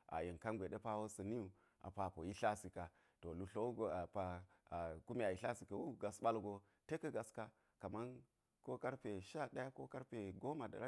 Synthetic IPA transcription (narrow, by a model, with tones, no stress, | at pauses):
a̰˨je˨nka˦nɡʷe˨ɗe˦pa˦wo˦sɐ˨ni˦u˨ | a̰˨pa˨po˨ji˦ɬa˦si˨ka˨ | to˨lu˦ɬo˦wu˦ɡo˨a˨pa˨ | ku˦mi˦a˨ji˨ɬa˦si˨ka˨wu˦ɡa˨sɓa˦lɡo˨ | te˦kɐ˦ɡa˨ska˦ | ka˨ma˦n | ko˦ka˦ɾpe˨ʃa˦ɗa˦ja˦ko˦ka˦ɾpe˨ɡo˦ma˨da̰˨ɾa˦